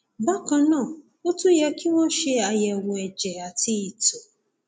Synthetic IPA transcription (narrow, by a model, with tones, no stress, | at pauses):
ba˦kɔ˨nɔ˦˨ | o˦tu˦je˦kʰɪ˦wʷɔ˦ʃe˦a˨je˨ŋʷ˨e˨d͡ʒe˨a˨ti˦i˨tu˨